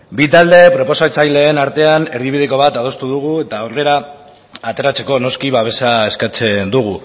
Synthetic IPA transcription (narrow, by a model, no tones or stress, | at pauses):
bit̪ald̪e̞pɾo̞po̞sat͡sajle̞ːnaɾt̪e̞ane̞ɾðiβiðeko̞β̞at̪að̞o̞st̪uð̞uɣue̞t̪aore̞ɾaː | t̪e̞ɾat͡se̞ko̞no̞skiβaβ̞e̞sae̞skat͡se̞nd̪uɣ̞u